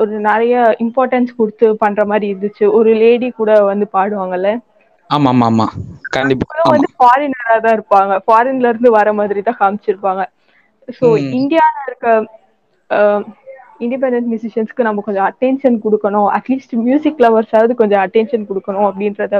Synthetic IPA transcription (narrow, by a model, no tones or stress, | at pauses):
ɔɾɯnɛɾɐjɐɪmpaːɾʈɐnskʊɽɯt̪ːɯpɐnːɾɐmaːd̪ɾiɪɾɯnd̪ɯt͡ʃːɯɔɾɯleːɽikuːɽɐʋɐnd̪ɯpaːɽɯʋaːŋɡɐɪlːɐ | aːmaːmaːma̰ːkɐɳɖɪpːɐlɐ̃ʋɐnd̪ɯfaːɾɪnɐɾaːt̪ãːɪɾɯpːaːŋɡɐfaːɾɛnlɐɪɾɯnd̪ɯʋɐɾɐmaːðɪɾit̪ãːkaːmbɪt͡ʃːɪɾɯpːaːŋɡɐ | soːɪɳɖɪjaːnaɪɾɯkːɐ | ɪɳɖɪp̬ɛɳɖɛnsmjʊsɪʂɐnskːɯnɐmːɐkɔɲd͡ʒɔ̃ɐʈːɛnʃɐnkɔɽɯkːɐɳʊ̃ɐ̰ʈliːsʈmjuːsɪkːlɐʋɐɾsaːʋɐðɯkɔɲd͡ʒɔ̃ɐʈːɛnʃɐnkɔɽɯkːɐɳʊ̃ɐp̬ːɽɪnɾɐðã